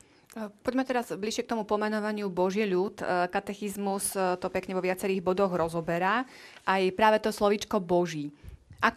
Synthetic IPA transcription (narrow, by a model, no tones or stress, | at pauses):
pɔɟmɛt̪ɛɾazbliʃɪɛkt̪ɔmupɔmɛnɔʋaɲɪubɔʒɪɛʎut̪kat̪ɛxizmust̪ɔpɛkɲɛʋɔʋɪat͡sɛɾiːɣbɔd̪ɔɣɾɔzɔbɛɾa | ʔajpɾaːʋɛt̪ɔslɔʋit͡ʃkɔbɔʒiːʔak